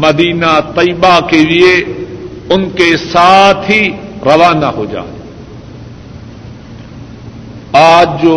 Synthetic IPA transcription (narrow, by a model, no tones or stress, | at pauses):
mɐd̪iːnat̪ɐiːbakelɪe | ʊnkesaːt̪ʰiɾɐʋaːnaɦoːd͡ʒa̰ː | aːd͡ʒd͡ʒoː